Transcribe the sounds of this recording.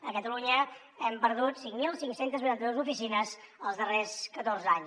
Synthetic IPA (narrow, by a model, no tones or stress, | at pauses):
əkət̪əluɲə | ɛmpəɾð̞ut̪siŋmilˠsiŋksent̪əznuɾant̪əðozufisinəzəlˠzðəreskət̪orzaɲ